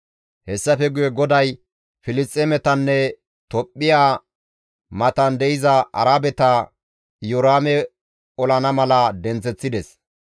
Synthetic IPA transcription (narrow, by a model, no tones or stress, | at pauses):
hɛsːɐfɛɡʊjɛɡɔd̪ɐj | fɪlɪst͡stʼːemɛt̪ɐnːɛ | t̪ɔpʼːɪjaː | mɐt̪ɐnd̪ɛʔɪzɐʔɐ̰ɾaːbɛt̪ɐ | jɔɾaːmɛ | ɔlɐnɐmɐlɐd̪ɛnt͡sɛt͡sːɪd̪ɛs